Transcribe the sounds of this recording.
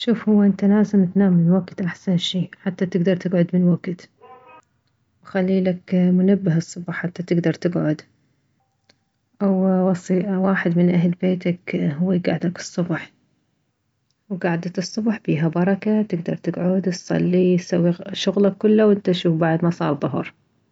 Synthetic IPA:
ʃuːfhʊwːaʔɪnt̪alaːzɪmt̪naːmːɪnwaɡt̪ʔaħsanʃiːħat̪ːat̪ɪɡd̪ɑɾˤt̪ɪɡʕʊd̪mɪnwaɡt̪ | wxalːiːlakmʊnabːɪɦɨsˤːʊbħħat̪ːat̪ɪɡd̪ɑɾˤt̪ɪɡʕʊd̪ | ʔawwɑsˤiːʔwaːħɪd̪mɪnʔaɦlbeːt̪akɦʊwːiɡaʕd̪akɨ̥sˤːʊbħ | wɡaʕd̪at̪ɨsˤːʊbħbiːɦabɑɾˤɑkat̪ɪɡd̪ɑ̰ɾˤt̪ɪɡʕʊd̪sˤɑ̰lːisawːiʃʊɣlakːʊlːawɪnt̪aʃuːfbaʕd̪mɑsˤɑ̰ːɾˤðˤʊɦɾˤ

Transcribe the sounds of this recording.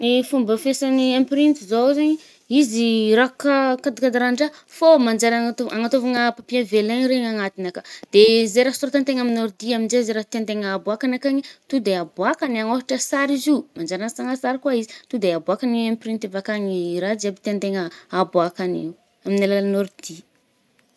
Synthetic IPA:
mifumbəfesaniampɾint̪izozeɲi | iziɾakakad̪ikad̪aɾaɳɖ͡ʐafomand͡ʒaɾaŋat̪oaŋat̪ovaŋəpapiavelaɲiɾeɲaŋat̪inakad̪̥ezeɾasuɾat̪ant̪eŋaminoɾd̪iaminzezeɾat̪eant̪eŋːbuakanakaɲit̪ud̪eabuakaniaŋoɦiʈ͡ʂəsaɾizimand͡ʒaɾanəsaŋasaɾikuaizit̪ud̪eabuakaniampɾint̪evakaɲiɾad͡ʒapi̥t̪ent̪eŋəabwakanḭ | aminalaalnord̪i

